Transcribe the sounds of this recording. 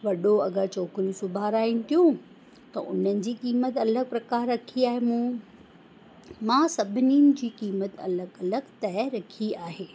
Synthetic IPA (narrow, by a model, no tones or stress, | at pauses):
ʋɐɗoɐɡət͡ɕɔːkɾijũsʊbʱaːɾaːinɪ̆t̪ʰijũ | t̪ɐ̰ʔʊ̰n̤ənɪ̆d͡ʑiːkiːmət̪ɐləɡ̚pɾɐkaːɾːɐkʰiaːɦemũː | mãːsɐbʱɪninɪ̆d͡ʑiːkiːmət̪ɐ̰ləɡɐləɡt̪ɐɾɐkʰiaːɦeː